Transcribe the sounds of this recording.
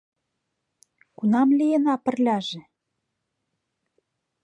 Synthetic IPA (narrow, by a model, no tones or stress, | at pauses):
kunɑmlijenɑpə̆rlʲɑʒĕ